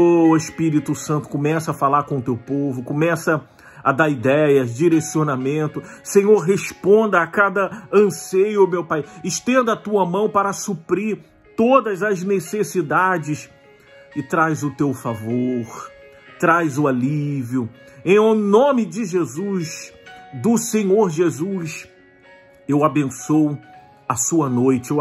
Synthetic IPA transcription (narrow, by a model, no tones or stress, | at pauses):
oeʃpiɾit̪ʊsɐ̃nt̪ʊ̥kõmɛsɐɐfalaɾkõt̪ewpovʊkomɛsɐ | ad̪aɾid̪ɛjɐzd͡ʒiɾesionamẽnt̪ʊsẽɲoɾɦespõnd̪ɐːkad̪ɐɐ̃sejʊmewpajɪʃt̪ẽnd̪ɐt̪uɐmɐ̃w̃paɾɐsupɾiɾ | t̪od̪ɐzɐznesesid̪ad͡ʒɪs | ɪt̪ɾajzʊt̪ewfavoɾ | t̪ɾajzʊaliviʊẽj̃nõmɪd͡ʒɪʒezusd̪ʊsẽɲoɾʒezus | ewabẽsow | ɐsuɐnojt͡ʃɪ